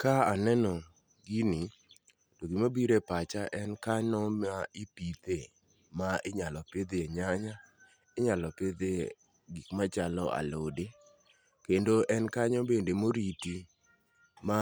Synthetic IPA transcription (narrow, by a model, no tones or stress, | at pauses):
kaanɛnɔ | ɡini | toɡimabiɾepat͡ʃaʔɛnkaɲɔmaɪpit̪e | maɪɲalɔped̪eeɲaɲa | ɪɲalɔped̪e | ɡikmat͡ʃalɔa̰lode | kendoʔɛnkaɲɔbendemoɾiti | ma